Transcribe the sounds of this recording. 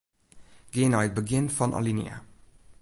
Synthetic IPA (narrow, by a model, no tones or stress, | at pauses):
ɡ̥eːnɑɪt̚bəɡɪnfɔnʔɑ̰linḭa̰